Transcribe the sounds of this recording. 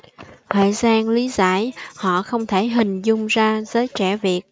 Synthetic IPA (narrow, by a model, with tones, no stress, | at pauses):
t̪ʰə̰ː˧˨jzaː˧nli˨˦zaː˧˥˩jhɔ̰˧˨xə˧wŋ͡mt̪ʰe˧˩ɦï˨˩ŋ̟zʊ˧ŋ͡mzaː˧zəː˨˦jt͡ɕɛ˧˩vi˨˩ət̚